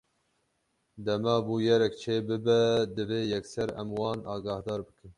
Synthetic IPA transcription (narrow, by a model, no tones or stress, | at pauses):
d̪ɛmɑːbuːjɛɾɛkt͡ʃʰeːbɨbɛd̪ɨveːjɛksɛɾɛ̰mwɑːnɑːɡɑːhd̪ɑːɾbɨkɨn